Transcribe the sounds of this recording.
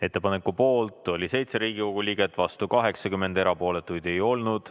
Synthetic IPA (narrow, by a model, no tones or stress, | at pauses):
e̞t̪ːˑepɑne̞kːupo̞ːlt̪ˑo̞lʲise̞jt̪se̞ɾiːɡ̥iko̞ɡ̥ulʲiːɡ̥e̞t̪ːˑvɑst̪ukɑɦe̞ksɑkymːe̞nd̪e̞ɾɑpo̞ːle̞t̪ːˑujd̪̥e̞jo̞lnud̪̥